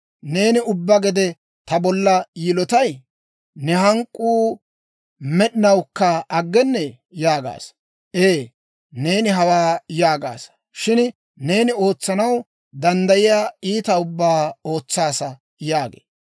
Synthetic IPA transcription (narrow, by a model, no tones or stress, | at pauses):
ne̞ːnɪʊbːɐɡɛd̪ɛ | t̪ɐbɔlːɐjɪlɔt̪ɐj | nɛɦɐŋkʼːuː | mɛɗɪnɐwkːɐɐɡːɛnːɛ | jaːɡa̰ːs | ʔeː | ne̞ːnɪɦɐwaːjaːɡa̰ːs | ʃɪn | ne̞ːnɪo̞ːt͡sːɐnɐw | d̪ɐnd̪ɐjɪjaːiːt̪ɐʊbːaːo̞ːt͡sːaːsɐ | jaːɡḛː